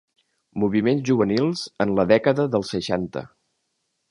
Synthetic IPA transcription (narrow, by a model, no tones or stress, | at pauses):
muβ̞imenzʒuβənilˠzənləðɛkəðəðəlˠsəʃant̪ə̰